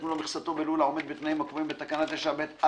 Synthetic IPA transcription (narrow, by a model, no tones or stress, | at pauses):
mulomiχsat̪o̞belulao̞med̪bet̪naimakvoimbet̪akanat̪aʃabet̪a